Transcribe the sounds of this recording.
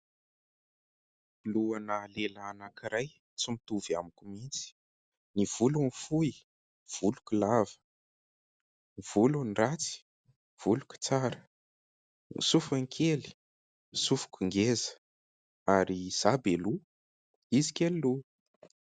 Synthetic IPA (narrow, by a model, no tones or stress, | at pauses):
luanalelaːnakiɾaj | t͡simit̪uvamikumint͡si̥ | niv̥ulunfui | v̥ulukulavə̥ | niv̥ulunrat͡si̥ | v̥ulukʲu̥t͡saɾə | ḭsufaŋkʰeli̥ | misufu̥kʲuŋɡezə̥ | aɾiz̥abelu | izi̥kʲellu